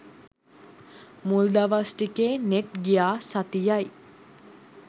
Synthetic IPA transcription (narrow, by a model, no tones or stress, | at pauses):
muld̪aʋasʈikeːneʈɡijaːsat̪ijaj